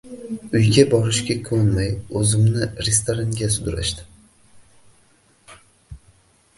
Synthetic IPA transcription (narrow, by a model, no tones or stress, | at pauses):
ʊjɡʲabɒɾɪʃɡʲakʰɵnmajɵzɪmnɪɾest̪oɾaŋɡʲasʊd̪ʊɾa̰ʃd̪ɪ̥